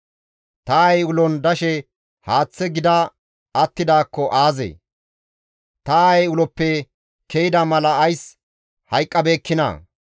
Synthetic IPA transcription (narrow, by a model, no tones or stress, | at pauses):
t̪ɐɐjʊlɔnd̪ɐʃɛ | haːt͡sːɛɡɪd̪ɐ | ɐt̪ːɪd̪aːkːɔʔaːzḛ | t̪ɐɐjʊlɔpːɛ | kɛjɪd̪ɐmɐlɐɐjs | hɐjkʼːɐbeːkːɪnɐ̰